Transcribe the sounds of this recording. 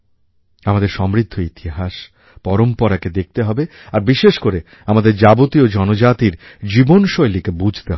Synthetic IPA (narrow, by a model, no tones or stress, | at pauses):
amad̪eɾʃɔmɾid̪ʱːoit̪ʰiɦaʃ | pɔɾompɔɾaked̪ek̚ʰt̪eɦɔbe | aɾbiʃeʃkoɾe | amad̪eɾd͡ʑabot̪iod͡ʑɔnod͡ʑat̪iɾd͡ʑibonʃojlikebud͡ʑʱt̪eɦ